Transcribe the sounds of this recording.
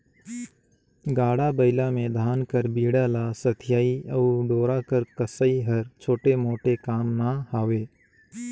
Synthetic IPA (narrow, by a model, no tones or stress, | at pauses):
ɡaːɽabəɪlamẽd̪ʱaːnkəɾbiːɽalasət̪ʰɪjaːiɐɖoːɾakəɾkəsəiɦɐɾt͡ʃʰoːʈemoːʈekaːmnahaːweː